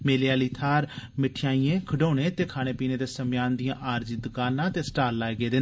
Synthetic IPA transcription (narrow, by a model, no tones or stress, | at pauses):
meːlejaːliːt̪ʰaːɾmɪʈʰɪjaːiːẽːkʰəɖoːneːt̪eːkʰaːñeːpiːneːd̪eːsəmjaːnd̪ɪjãːʔaːɾd͡ʒɪd̪ʊkaːnãːt̪eːsə̥ʈaːlːaːeɡeːd̪eː